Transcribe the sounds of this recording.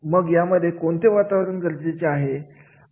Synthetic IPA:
məɡjaməd̪ʱːjekoɳt̪ʰeʋat̪aʋɾənkəɾd͡ʑet͡ɕeaɦe

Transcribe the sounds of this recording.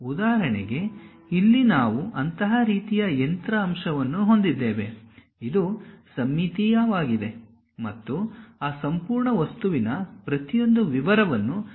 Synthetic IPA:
ud̪aːɾɐɳɛɡe̞ | ilːinaːʋuʔɐnt̪ɐɦaɾiːt̪ijɐent̪ɾɐːmʂɐʋɐnːuɦo̞nd̪id̪ːeːʋe̞ | id̪usɐmːit̪ijɐʋaːɡid̪e̞ | mɐt̪ːuaːsɐmpuːɾɳɐʋɐst̪uʋinɐpɾɐt̪ijo̞nd̪uʋiʋɐɾɐʋɐnːu

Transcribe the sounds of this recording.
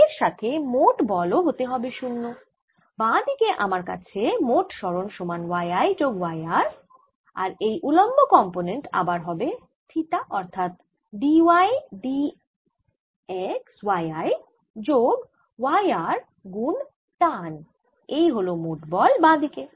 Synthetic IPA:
eɾʃat̪ʰemoʈbɔloɦot̪eɦɔbeʃunːo | bãd̪ikeʔa̰maɾka̰t͡ɕʰemoʈʃɔɾonʃomanwajajd͡ʑoɡwajaɾ | a̰ɾejʔulombʱokɔmponeɳʈa̰baɾɦɔbe | t̪ʰit̪aʔɔɾt̪ʰat̪̚ | ɖiwajɖi | ekswajaj | d͡ʑoɡ | wajaɾ | ɡun | t̪an | ejɦolomoʈbɔlbãd̪ike

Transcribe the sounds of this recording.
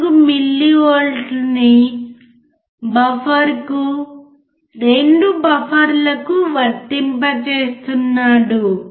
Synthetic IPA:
kumilːioːlɖni | bɐfɐɾku | ɾeɳɖubɐpʰɐɾlɐkuʋɐɾt̪impɐt͡ʃeːst̪unːaːɽu

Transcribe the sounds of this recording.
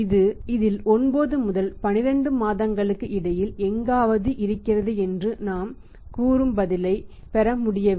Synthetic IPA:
ɪðɯɪðɪlɔnboːðɯmʊðɐlpɐnɪɾɐɳɖɯmaːðɐŋɡɐɭɯkːɯʔɪɽɐjɪlɛŋɡaːʋɐðɯʔɪɾɯkːɪrɐðɯɛndrɯnaːm | kuːɾɯmbɐðɪlɐɪ | pɛɾɐmʊɽɪjɐ

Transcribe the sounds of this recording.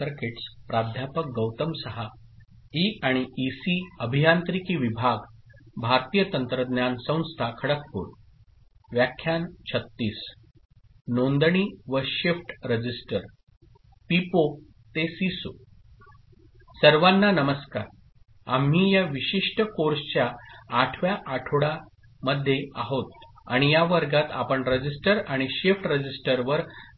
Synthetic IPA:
əɾkeʈspɾad̪ʱjapək̚ɡəwt̪əmsəɦa | iaɽ̃iːsiːəbʱijant̪ɾikiːʋibʱaɡbʱaɾt̪ijət̪ənt̪ɾəd̪njansə̃w̃st̪ʰakʰəɽək̚po̰ɽ | ʋjakʰːjant͡ɕʰət̪ːiːs | nond̪əɳiʋəɕefʈɾəd͡ʑisʈəɾ | pipo | t̪esiso | səɾʋanːanəməska̰ɾ | a̰m̤ɦiːjaʋiɕiʂʈəkoɾsət͡ɕjaːʈʰʋjaʔaʈʰoɽa | məd̪ʱːjeaɦot̪̚ | a̰ɽ̃ijaʋəɾɡat̪a̰pəɳɾəd͡ʑisʈəɾaɽ̃iɕefʈɾəd͡ʑisʈəɾʋəɾ

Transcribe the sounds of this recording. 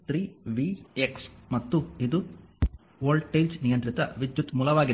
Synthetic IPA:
t̪ɾiːʋiːeksmɐt̪ːuid̪u | ʋoːɾlɖʈejlsnijɐnt̪ɾit̪ɐʋid̪jut̪muːlɐʋaːɡi

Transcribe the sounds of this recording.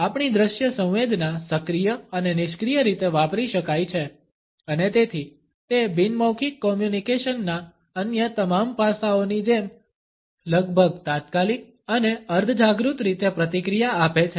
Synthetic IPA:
apɳid̪ɾəʃjəsə̃w̃ʋed̪nasəkɾijəənenɪʃkɾijəɾit̪eʋapɾiʃəkajt͡ʃʰe | ənet̪et̪ʰi | t̪ebinməwkʰikːɔmjunikeʃənːa | ənjət̪əmampasaonid͡ʒem | ləɡbʱəɡt̪at̪̚kalik̚ | əneəɾd̪ʱəd͡ʒaɡɾut̪ɾit̪epɾət̪ikɾijaapet͡ʃʰe

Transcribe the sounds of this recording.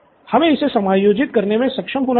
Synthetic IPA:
hɐmẽɪsesɐmaːjoːd͡ʒɪt̪̚kɐɾnemẽsɐkʃəmɦoːna

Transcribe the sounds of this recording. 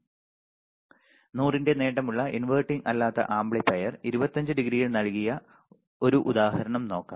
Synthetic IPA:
nuːrinde̞ne̞ːʈɐmuɭːɐʔinʋɐrʈːiŋɐlːaːt̪ːɐ̰ʔaːmbɭepɐjɐriɾubɐt̪ːɐɲd͡ʑɨɖiɡɾijiɭnɐɭkijɐ | o̞ɾuʔud̪aːhɐɾɐɳɐmno̞ːkːa̰ːm

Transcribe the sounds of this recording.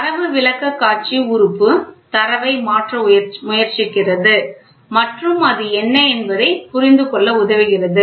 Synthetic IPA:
ɐɾɐʋɯʋɪlɐkːɐkːaːɾt͡ʃiʊɾɯpːɯt̪ɐɾɐʋɐɪmaːʈrɐmʊjɐɾt͡ʃɪkːɪrɐðɯ | mɐʈrɯmɐðɯɛnːɐɛnbɐðɐɪpʊɾɪnd̪ɯkɔɭːɐʊðɐʋɪɣɪrɐðɯ

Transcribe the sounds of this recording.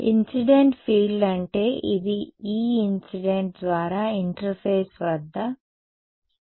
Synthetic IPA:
ḭnsiɖeɳʈfiːɭɖɐɳʈe̞ːʔid̪iiːinsiɖeɳʈ̚d̪ʋaːɾaːiɳʈɾɐfɐjsʋɐd̪ːɐ

